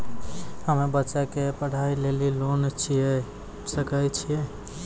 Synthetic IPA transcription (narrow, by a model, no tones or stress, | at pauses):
həmebətːʃakepəɽ̤ailelilont͡ʃʰijɛ | səkəjt͡ʃʰije